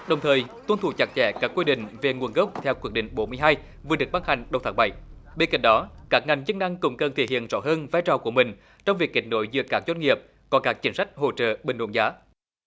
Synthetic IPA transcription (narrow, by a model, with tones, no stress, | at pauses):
ɗə˨˩wŋ͡mt̪ʰəː˨˩jt̪wə˧nt̪ʰu˧˨˩t͡ɕa˨˩k̚t͡ɕɛ̰˧˥kaː˦˥kːwi˧ɗḭ̈˧˨ŋ̟ve˨˩ŋu˨˩ənɣə˦˥wk͡p̚t̪ʰɛ˧wkwi˧˦ək̚ɗï˧˨ŋ̟ɓo˨˦nmɨ˧əjɦaː˧j | vɨ˨əɨ˨˩ək̚ɓaː˧˩ha˨˩jŋ̟ɗə˨˩wt̪ʰːŋɓa̰˧˨j | ɓe˧nka̰˧˩ŋ̟ɗɔ˨˦kaː˦˥k̚ŋa˨˩ŋzə˧nna˧ŋkʊ̰˧˥ŋ͡mkə˨˩nt̪ʰḛ˧˩hḭ˧˨ənzɔ̰˧˥ɦəː˧nvaː˧jt͡ɕɔ˨˩ku˧˩əmï˨˩ŋ̟ | t͡ɕɔ˧wŋ͡mvi˨˩ək̚ːi˨˩k̟̚no̰˧˨˦jzɨ̰˧˥əkaː˦˥k̚zwe˧nŋi˨˩əp̚ | kɔ˨˦kaː˦˥k̚t͡ɕï˨˦ŋ̟sa˦˥jk̟̚ɦo̰˧˨t͡ɕə̰ː˧˨ɓi˨˩ŋɗo̰˧˦nzaː˨˦